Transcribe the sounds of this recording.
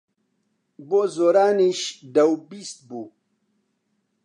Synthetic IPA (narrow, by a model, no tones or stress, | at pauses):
bozoɾaːniɕdawbist̪̚bu